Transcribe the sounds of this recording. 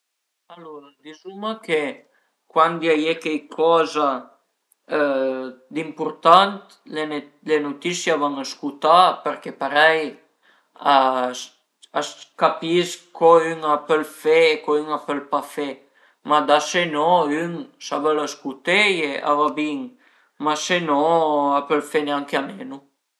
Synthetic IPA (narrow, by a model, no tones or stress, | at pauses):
alɔɾad̪izumake | kwand̪jajekɛjkʰɔza | d̪impuɾt̪ant̪ | le | lenut̪isjavaŋaskut̪apəɾkepaɾɛj | a | askapiskʰɔyŋapəlfeːkoyŋapəlpafe | mad̪asenɔyŋsavəlaskut̪ejeʔa̰vabiŋ | masenɔapəlfeneaŋkeamenu